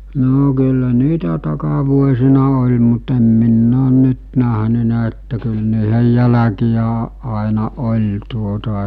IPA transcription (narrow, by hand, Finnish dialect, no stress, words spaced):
noː kylːæ niːtæ tɑkɑʋuosinɑ olʲ mut em minː oːn nyt næɦnynæ etːæ kyl niːhej jælækijæ ɑ ɑˑenɑ olʲ tuotɑ